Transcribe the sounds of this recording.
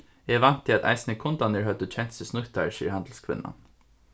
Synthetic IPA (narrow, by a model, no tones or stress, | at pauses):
ɛʋɑnt̪ʰɪɑt̪ʰæ̰ɪsnəkʰʊnd̪ɑnəɹhœd̪ot͡ɕʰɛnt̪səsnʊkt̪ɑɹʃḭːɾhɑnd̪l̩skʰʋɪ̰nɑ̰n